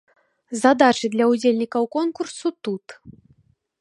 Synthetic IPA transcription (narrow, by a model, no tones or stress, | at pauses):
zad̪at͡ʂɨd̪lʲɐud͡zʲelʲnʲikɐwkɔnkursut̪ut̪